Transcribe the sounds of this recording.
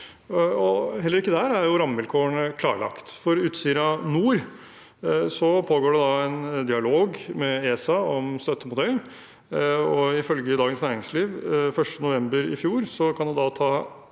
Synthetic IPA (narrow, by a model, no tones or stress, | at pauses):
ɔhɛlːəɾɪkːəd̪æɾæɾjʊɾɑmːʋɪlkʰoːəɳəkʰlɑːɭɑ̰kt̪fɔɾʉːt̪siːɾɑnuːɾ | sɔpʰoːɡoːɖɛd̪ɑɛnd̪ɪɑloːɡmɛeːsɑɔmst̪œt̪ːəmʊd̪ɛln | ɔɪfœlɡəd̪ɑːɡənsnæːɾɪŋsliːʋfœʂʈənʊʋɛmbəɾɪ̰fjuːɾsɔkʰɑnd̪ɛd̪ɑt̪ʰɑː